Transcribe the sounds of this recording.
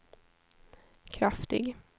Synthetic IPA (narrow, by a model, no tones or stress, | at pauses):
kʰɾaft̪ɪ̰ɡ